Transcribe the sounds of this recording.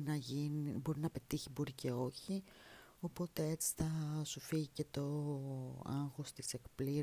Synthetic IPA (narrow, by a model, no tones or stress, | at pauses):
nɐʝinibo̞ɾinɐpe̞t̪içibo̞ɾice̞o̞çio̞po̞t̪e̞e̞t͡si̥θɐsufiʝice̞t̪o̞ | ɐ̰ŋxo̞st̪isekpliɾ